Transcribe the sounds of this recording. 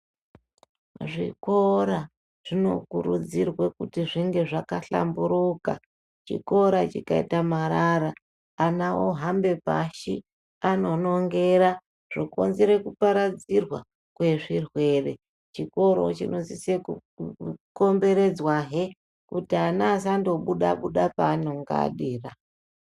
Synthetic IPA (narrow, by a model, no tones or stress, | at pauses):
ʐḭko̞ɾa | ʐ̥ino̞̰kuɾṵd͡zirwekutiʐiŋɡe̞ʐakaɬa̰mbuɾuka | t͡ʃḭko̞ɾat͡ʃikaḭtamaɾaɾaː | nawo̰ɦambe̞pa̰ʃi | ano̞no̞ŋɡe̞ɾa | ʐ̥oko̞̰nzeɾe̞kupaɾad͡zirwa̰ | kwe̞ʐirwe̞re̞ | t͡ʃiko̞ɾo̞̰t͡ʃino̞ziseku | ko̞mbe̞ɾe̞d͡zwaɦe | kutianaːsandoɓuɗaɓuɗapaːnoŋɡa̰ɗiːra